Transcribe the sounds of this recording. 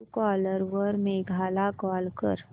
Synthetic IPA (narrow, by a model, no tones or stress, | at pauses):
kɔːləɾʋəɾmẽɡʱaːlakɔːlkə̰ɾ